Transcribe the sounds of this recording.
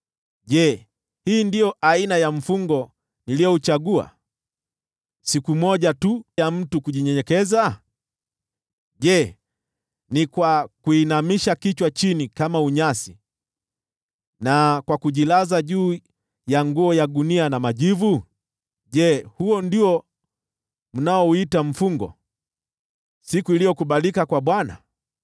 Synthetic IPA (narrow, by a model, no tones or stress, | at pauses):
ʄɛ | hiːndijɔʔainajaɱ̩fuŋɡɔ | nilijɔut͡ʃaɠua̰ | sikumɔʄatujam̩tukuʄiɲɛɲɛkɛza | ʄɛ | nikwakuinamiʃakit͡ʃwat͡ʃinikamauɲasi | nakwakuʄilazaʄuː | jaŋɡuɔjaɗunianamaʄivu | ʄɛhuɔndiɔ | m̩naɔuitam̩fuŋɡɔ̰ | sikuilijɔkuɓalikakwaɓwana̰